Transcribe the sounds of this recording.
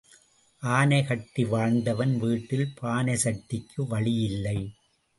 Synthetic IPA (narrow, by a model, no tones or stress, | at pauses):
ʔaːnɐɪkɐʈːiʋaːɳd̪ɐʋɐnʋiːʈːɪlpʰaːnɐsɐʈːɪkʰːɯʋɐɭɪjɪlːɐɪ